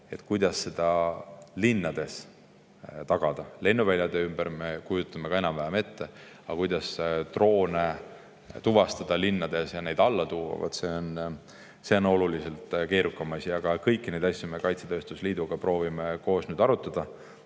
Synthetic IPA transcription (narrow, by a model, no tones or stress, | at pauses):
e̞t̪kujd̪̥ɑsːe̞d̪̥ɑlinːɑd̪̥e̞s | t̪ɑɡ̥ɑd̪̥ɑle̞nːuvælʲjɑd̪e̞ymb̥əɾme̞kujut̪ːˑɑme̞kɑe̞nɑmvæɦeme̞t̪ːe̞ | ɑkujd̪̥ɑst̪ro̞ːne | t̪uvɑst̪ɑd̪̥ɑlinːɑd̪̥e̞sjɑne̞jd̪ɑlːɑt̪uːɑ̰vɑ̰d̪̥se̞on | se̞ono̞lulise̞lt̪ˑke̞ːɾukːɑmɑsiɑɡ̥ɑkɤjkːine̞jd̪̥ɑsjome̞kɑjt̪set̪ø̞ːst̪usliːd̪uɡ̥ɑpro̞ːvimeko̞ːsnyːd̪̥ɑɾut̪ːˑɑd̪̥ɑ